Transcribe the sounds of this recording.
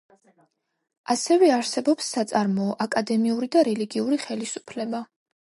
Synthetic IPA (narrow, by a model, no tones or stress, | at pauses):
asɛvɛaɾsɛbɔpsːat̪sʼaɾmɔːʔakʼad̪ɛmiuɾid̪aɾɛliɡiuɾiχɛlisu̥pʰlɛba